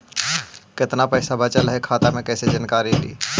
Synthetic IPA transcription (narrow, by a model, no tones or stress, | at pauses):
kɪt̪napəɪsabʱat͡ʃəlɦekʰaːt̪amẽkɛːsed͡ʒənkaːɾilḭː